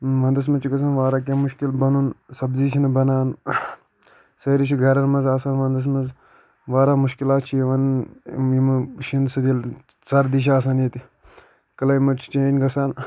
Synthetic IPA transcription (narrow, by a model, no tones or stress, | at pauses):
ʋɐnd̪ɐs̬mɐt͡ʃʰikɐs̬ɐnʋaːɾaːk̬ʲemuʃkilbɐnunsɐbziːt͡ʃʰinɐbɐnaːn | sɐːɾit͡ʃʰiɡʱɐɾɐɾmɐzaːsaːnʋɐnd̪ɐs̬mɐz | ʋaːɾaːmuʃkilaːt̪t͡ʃʰijʋɐnjimʃinsɐd̪il | t͡sɐɾd̪iːʃ̬aːs̬aːnjit̪i | kɐlɐːjmɐʈt͡ʃʰt͡ʃẽːnɡɐsaːn